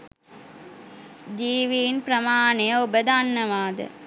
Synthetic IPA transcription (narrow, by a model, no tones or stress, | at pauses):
d͡ʒiːʋiːnpɾɐmaːnejəobəd̪anːɐʋaːd̪ə̰